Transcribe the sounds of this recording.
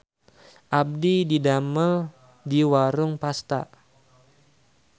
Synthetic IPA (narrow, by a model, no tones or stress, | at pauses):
ʔab̚dididamə | diwaɾʊŋpast̪a̰